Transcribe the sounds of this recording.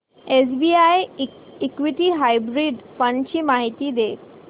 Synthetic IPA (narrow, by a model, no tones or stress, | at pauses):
es̬biajeikʋiʈiɦajbɾiɖfə̃ɳɖt͡ɕiːmaɦit̪iːd̪e